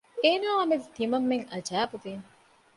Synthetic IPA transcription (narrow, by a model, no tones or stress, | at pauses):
eːnaːɐmest̪imɐmːeŋɐd͡ʒæːbuviːŋ